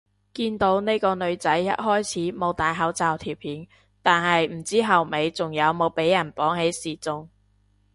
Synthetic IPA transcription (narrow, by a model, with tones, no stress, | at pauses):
kiː˧nt̪o˨˥wne˥kɔː˧nɵ˨˧ɥt͡sɐ˨˥jːɐ̰˥t̚ɦɔː˥jt͡sʰiː˨˥mo˨˧wt̪aː˨jɦɐ˨˥wt͡saː˨wt̪ʰiː˨˩wpʰiː˨˥n | t̪aː˨nɦɐ˨jm̩˨˩t͡siː˥ɦɐ˨wme˨˧jt͡sʊ˨ŋjɐ˨˧wmo˨˧wpe˨˥jːɐ˨˩npɔː˨˥ŋɦe˨˥jsiː˨˩t͡sʊ˨˧ŋ